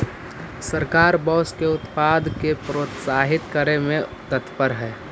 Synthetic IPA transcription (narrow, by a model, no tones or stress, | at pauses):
səɾkaːɾbɔːskeʊt̪paːd̪ʱkepɾoːt̪saːɦɪt̪kəɾemẽt̪ət̪pəɾɦɛː